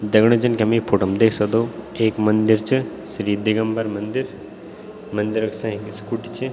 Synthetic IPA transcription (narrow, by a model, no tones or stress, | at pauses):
d̪ɐɡɳod͡ʒɐnkɐmipʰoʈɐmd̪eːkʰsɐkd̪oːeːkmɐnd̪iɾt͡ʃʰɨ | sɾiːd̪iɡɐmpɐɾmɐnd̪iɾ | mɐnd̪iɾɐksɐ̃ɦiɡskuʈit͡ʃʰi